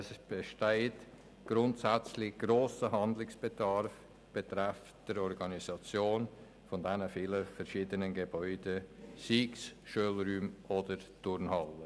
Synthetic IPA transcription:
sb̥eʃteɪt | ɡ̥rʊntsæt͡slɪɡ̥roːsəɦɑndlɪksb̥edɑɾf | b̥etɾɛf | d̥əɾɔɾɡɑnisɑt͡sjoːn | fɔndɛnəfiːləfɛɾʃiːdənənɡeb̥ɔʏd̥esiːksʃøːlɾyːmʔodəɾtʊɾnhɑlːə

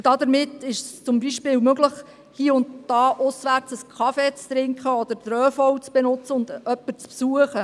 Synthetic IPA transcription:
d̥ɑd̪əɾmɪt̪ːɪʃst͡sʊmbiʃpɪːwmøɡləχ | hiːʊntd̥ɑːʔʊsʋæɾt͡səskʰɑfeːt͡st̪ɾɪŋkχəɔd̥̪əɾt̪ɾœːfɔwt͡sb̥enʊt͡səʊnd̪œpːəɾt͡spsuəχə

